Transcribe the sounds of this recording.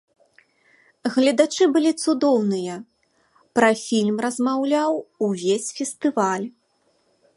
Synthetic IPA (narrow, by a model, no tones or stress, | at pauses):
ɣlʲɐd̪at͡ʂɨbɨlʲit̪sud̪ɔwnɨjɐ | pɾɐfʲilʲmrɐzmawlʲawuvʲesʲfʲɛst̪ɨvalʲ